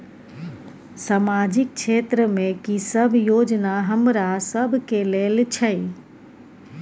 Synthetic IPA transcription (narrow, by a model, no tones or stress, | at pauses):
samad͡ʒɪk̚t͡ʃʰeːt̪ɾəmẽkisəbʱjoːd͡ʒnaɦəmɾasəbʱkeleːlt͡ʃʰəi